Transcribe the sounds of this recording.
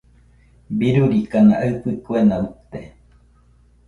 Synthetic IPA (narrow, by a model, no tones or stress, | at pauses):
biɾuɾikanaʔaɨpɨkuenaut̪e